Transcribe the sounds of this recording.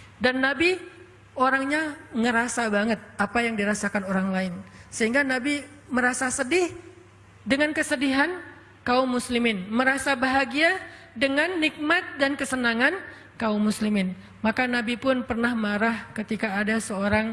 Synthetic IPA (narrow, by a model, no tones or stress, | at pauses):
danːabi | oɾaŋɲaŋəɾasabaŋət̪̚apajaŋdiɾasakanoɾaŋlaɪnsəɦiŋɡanabi | məɾasasədɪh | dəŋankəsədiɦan | kaʊmːuslimɪnməɾasabaɦaɡia | dəŋanːik̚mat̪̚dankəsənaŋan | kaumːuslimɪn | makanabipʊnpərnahmaɾahkət̪ikaːdasəoɾaŋ